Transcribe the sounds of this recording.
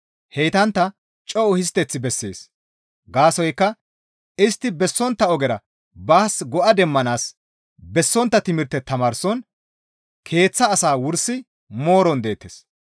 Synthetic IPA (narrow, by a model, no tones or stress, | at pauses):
hɛjt̪ɐnt̪ːɐ | t͡ʃʼɔʔʊhɪs̬t̪ɛt͡sːɪbɛsːeːs | ɡaːsɔjkːɐ | ɪst̪ːɪbɛsːɔnt̪ːɐɔɡɛɾɐ | baːsɡɔʔɐd̪ɛmːɐnaːs | bɛsːɔnt̪ːɐt̪ɪmɪɾt̪ːɛt̪ɐmaːɾsɔn | kʰe̞ːt͡sːɐːsaːwʊɾsːɪ | mo̞ːɾɔnd̪e̞ːt̪ːeːs